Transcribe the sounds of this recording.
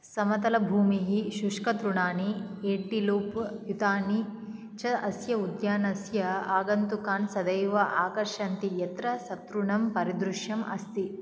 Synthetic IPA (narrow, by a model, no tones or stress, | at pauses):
sɐmɐt̪ɐlɐbʱuːmiɦiʃuʂkɐt̪ɾuɳaːnieːʈiluːpjut̪aːni | t͡ʃɐɐsjɐud̪jaːnɐsjɐaːɡɐnt̪ukaːnsɐd̪ɐjʋɐʔaːkɐɾʂaːnt̪ijɐt̪ɾɐsɐt̪ɾuɳɐmpɐɾid̪ɾuʃjɐmʔɐ̰st̪i